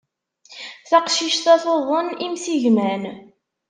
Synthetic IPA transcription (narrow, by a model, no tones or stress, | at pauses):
θæqʃiʃt̪æθoðˤənimsiʝmæn